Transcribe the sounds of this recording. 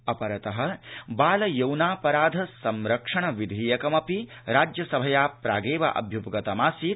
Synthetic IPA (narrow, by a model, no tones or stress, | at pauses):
ɐpɐɾɐt̪ɐɦɐ̆baːlɐjɐwnaːpɐɾaːd̪ʱɐsɐmɾɐkʂɐɳɐʋid̪ʱiːjɐkɐmɐpi | ɾaːd͡ʒjɐsɐbʱɐjaːpɾa̰ːɡeːʋɐ̰ʔɐ̰bʱjupɡɐt̪ɐmaːsiː